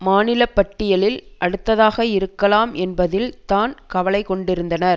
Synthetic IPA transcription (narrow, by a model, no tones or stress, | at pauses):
maːnɪlɐpːɐʈːɪjɐlɪlʔɐɽɯt̪ːɐðaːɣɐɪɾɯkːɐlaːmɛnbɐðɪlt̪aːnkɐʋɐɭɐɪkɔɳɖɪɾɯnd̪ɐnɐɾ